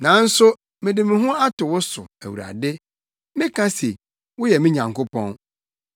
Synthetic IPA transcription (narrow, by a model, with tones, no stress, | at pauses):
nã˨˦n̩˦sʊ˦ | mɪ̃˨dɪ˨mɪ̃˨ɦʊ̃˦a˦tʊ˨wʊ˦sʊ˨æ̰˨wṵ˨ɾa̰˨dɪ˦ | mɪ̃˦kʰã˦se˨ | wʊ˦jɛ˨mɪ̃˦ɲã˨ŋkʊ˦pʰɔ̰̃˦n